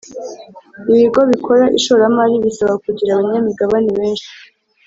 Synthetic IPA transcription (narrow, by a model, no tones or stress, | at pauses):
iβiɡo̞βikʰo̞ɾaʔḭʃoɾamaɾiβisaβakuɟiɾaβaɲamiɡaβaniβe̞ːnʃi̥